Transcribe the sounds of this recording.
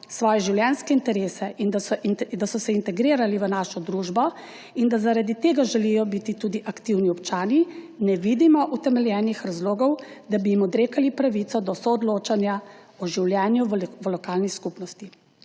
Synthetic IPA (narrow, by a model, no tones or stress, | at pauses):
sʋɔːjɛʒiwljɛnskɛint̪ɛɾeːsɛind̪d̪asɔsɛint̪ɛɡɾiːɾaliʋənaːʃɔd̪ɾuːʒbɔ | ind̪azaɾad̪it̪eːɡaʒɛlijɔbit̪it̪uːd̪iʔakt̪iwniɔpt͡ʃaːni | nɛʋiːd̪imɔʔut̪ɛmɛljɛnixɾazloːɡɔwd̪abiimɔd̪ɾeːkalipɾaʋit̪sɔd̪ɔsɔːd̪loːt͡ʃanja | ɔʒiwljɛːnjuʋlɔkaːlniskupnɔst̪i